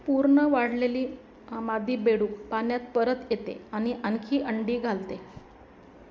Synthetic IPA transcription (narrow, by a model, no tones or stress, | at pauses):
puɾɳəʋaɽ̤leliː | mad̪ʱːiːbeɽuːkpanjat̪pəɾət̪jet̪ḛaɽ̃iʔəŋkʰiːʔəɳɖiːɡʱalt̪e